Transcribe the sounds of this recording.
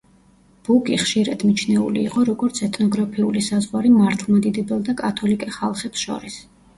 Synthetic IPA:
b̥ukʼiχʃiɾa̰d̪mit͡ʃʰnɛṵliːqʼɔɾɔɡɔɾt̪sʰɛt̪ʰnɔɡɾapʰiulisazʁwaɾimaɾt̪ʰlˠmad̪id̪ɛbɛlˠd̪akʼat̪ʰɔlikʼɛχalˠχɛpsʃɔ̰ɾis

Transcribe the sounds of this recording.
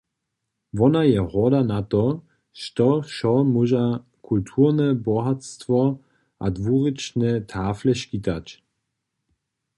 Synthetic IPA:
vɔnajɛʁɔdanatɔ | ʃtɔʃɔmuʒa | kʰultʰuːʁnɛbɔɦatstvɔ | ʔadvuːʁit͡ʃnɛtʰaːfləʃkitat͡ɕ

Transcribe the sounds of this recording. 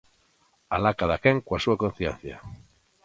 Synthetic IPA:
alakaðakeŋkwasuakon̟θjḛnθja̰

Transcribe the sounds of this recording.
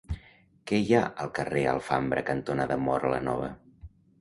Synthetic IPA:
kɛjaʔəlˠkəreə̰lˠfambɾəkənt̪onəðəmɔɾlənɔ̰β̞ə

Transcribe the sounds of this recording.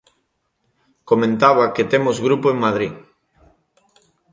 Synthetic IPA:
komẽnt̪aβaket̪emozɣɾupoeŋmað̞ɾi

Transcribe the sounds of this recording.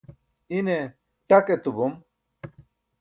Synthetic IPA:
ine | ʈɐket̪ubum

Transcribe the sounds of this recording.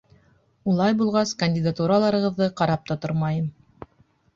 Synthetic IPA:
ulˠɑjbulˠʁɑskɐnʲdʲɪd̪at̪uɾalˠɑɾɤ̆ʁɤ̆ðːɤqɑɾɑp̚t̪ɑt̪oɾmɑjɤm

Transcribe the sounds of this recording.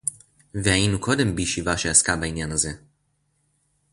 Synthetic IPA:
veainukʰod̪ɛmbiʃivaʃeaskabainʲjanəzɛ

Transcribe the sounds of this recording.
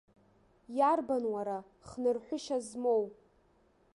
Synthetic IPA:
jarbanwaɾa | χnɨrħʷʊʃazmow

